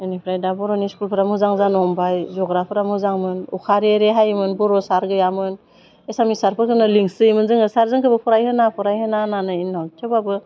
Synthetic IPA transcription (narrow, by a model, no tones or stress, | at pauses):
enipʰɾajdabɔɾɔniskulpʰɯɾamɯzaŋzanɔmbajzɔɡɾapʰɯɾamɯzaŋmɯnukʰaɾeɾeɦajmɯnbɔɾɔsaɾɡɯjamɯn | esamnisaɾpʰɯkʰɯnɯliŋsɯjmɯnzɯŋɯsaɾzɯŋkʰɯbɯpʰɔɾajhɯnapʰɔɾajhɯnananɯinːawtʰebabɯ